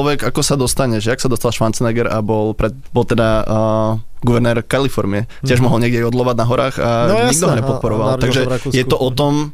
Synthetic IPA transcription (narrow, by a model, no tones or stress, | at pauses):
ʋɛɡakɔsad̪ɔst̪aɲɛʒɛaksad̪ɔst̪alˠʃʋant͡snɛɡɛɾabɔlpɾɛ | bɔlt̪ɛd̪a | ɡuʋɛɾnɛːɾkalifɔɾmiɛ | cɪɛʒmɔɦɔlɲɛɡɟɛiɔd̪lɔʋadnaɦɔɾaːɣaɲiɡ̚d̪ɔɦɔɲɛpɔt̪t̚pɔɾɔʋallaɡʒɛjɛt̪ɔʔɔt̪ɔm